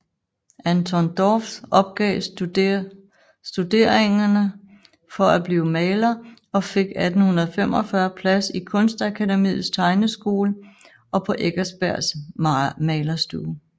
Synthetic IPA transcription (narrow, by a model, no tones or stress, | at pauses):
ʔænt͡sʰɔnd̥ɒfsɒ̽b̥̚ɡ̥ɛ̰ː | sd̥ude̝̰ɐ̰eŋɐnə | fɒ̽æb̥liːʊmɛːlɐ | ɒ̽fe̝ɡ̥æd̥n̩hunɐð̩ˠfem̰ɒfɶɐpʰlæsikʰɔ̽nsd̥ækʰædemḭːð̩ˠst͡sʰɑ̈ɪnəsɡ̥o̝̰ːlə | ʔɒ̽pʰɒ̽ʔeɡ̥ɐsb̥æɐ̰s | mɛːlɐsd̥uː